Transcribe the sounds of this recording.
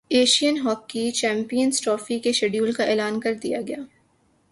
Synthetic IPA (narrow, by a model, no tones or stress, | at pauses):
eːʃijənɦɔːkːit͡ʃɛ̃ːmpijənsʈɾɔːfikeʃeːɖjuːlkaeːlaːnkɐɾd̪ijaɡɐjaː